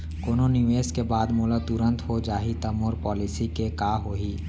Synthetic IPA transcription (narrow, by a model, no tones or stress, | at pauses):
koːnonɪʋeːskebaːd̪moːlat̪ʊɾə̃nt̪ɦod͡ʒaːɦit̪ɐmoːɾpɔːlɪsikekaːɦoːɦiː